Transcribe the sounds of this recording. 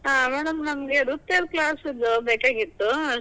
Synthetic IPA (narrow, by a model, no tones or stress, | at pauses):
ɦaːmɛːɽɐmnɐmɐɡeɽut̪eɾklaːsid̪ːubeːkaːɡit̪ːuɐ